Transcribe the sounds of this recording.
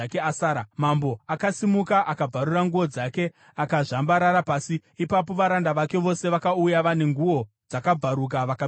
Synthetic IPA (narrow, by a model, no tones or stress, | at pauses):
akeasaːɾamambo̞akasimukaʔakab͡vaɾuraŋɡuʋo̞d͡zake̞ | akaʐambaɾaɾapaːsiipap̬o̞ʋaɾandaʋake̞ʋo̞se̞ʋakaujaʋane̞ŋɡuo̞ | d͡zakab͡vʱaɾuk̬aʋaka